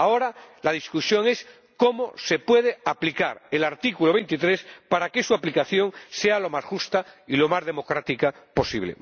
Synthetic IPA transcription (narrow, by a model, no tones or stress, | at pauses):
aoɾalað̞iskusjo̞ŋe̞s | komose̞pwe̞ð̞eaplikaɾelaɾt̪ikuloβe̞jnt̪it̪ɾespaɾakesuaplikaθjo̞ŋsealo̞masʝust̪ailo̞mazðe̞mo̞kɾat̪ikapo̞sḭβlḛ